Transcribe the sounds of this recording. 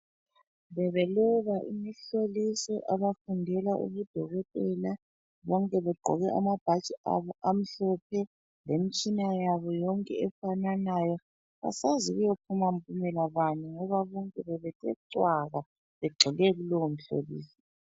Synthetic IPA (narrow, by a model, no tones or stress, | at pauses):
βɛβɛlɔβaʔḭmiɬolisɔʔaβafundʱɛlaʔṵɣud̥ʱɔɣɔtʼɛla | βɔŋkʼɛβɛɡ͡ǃʱɔ̰ɣɛʔa̰mab̥ʱat͡ʃʼia̰βɔʔam̩ɬɔp̚ʰɛ | lemit͡ʃʼinajaβɔjɔŋkʼɛɛfananajɔ | ɣa̰saziɣujapʰumampʰʼumɛlaβanɛŋɔβaβɔŋkʼɛβɛβɛtʼɛǀwaɣa | βɛɡ͡ǃʱɛlɛɣulɔwom̩ɬo̰lḭːsɔ̥